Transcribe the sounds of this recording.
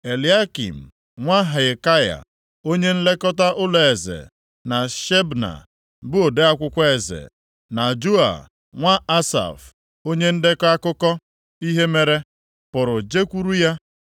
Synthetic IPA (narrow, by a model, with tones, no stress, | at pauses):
e˨li˨a˦kḭ˨m̩˨ | ŋʷa˦ɦa˨ka˦ja̰˨ | o˦ɲe˦n̩˦le˦kɔ˦ta˦ʔʊ˦lɔ˨e˨zḛ˨ | na˨ʃe˦bna̰˨ | bʊ˦o˨de˦a˦kʷʊ˦kʷe˨zḛ˨ | na˨d͡ʒu˦a̰˨ | ŋʷa˦a˦sa̰˨f | o˦ɲe˦n̩˦dɪ˦ka˦kʊ˦kɔ˦ | i˦ɦe˦me˦ɾe˦ | pʊ˨ɾʊ˨d͡ʒe˦kʷu˦ɾu˦ja˦